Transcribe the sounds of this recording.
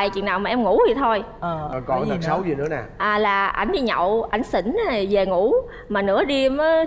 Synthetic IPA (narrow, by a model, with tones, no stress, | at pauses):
a˨˩jt͡ɕwḭ˧˨ənaː˨˩wmaː˨˩ʔɛ˧mŋu˧˥zi˨˩t̪ʰo˧j | əː˨˩˨kɔ˨˩n˨sa˨˦wzi˨˩nɨ̰˧˦ənaː˨˩ʔaː˨˩laː˨˩ʔa˧˩jŋ̟ɗi˧ɲə̰˧˨wʔa˧˩jŋ̟si˧˩ŋ̟˨˦˨ve˨˩ŋu˧˩˦ | maː˨˩nɨ̰˧˥əɗi˧mə˨˦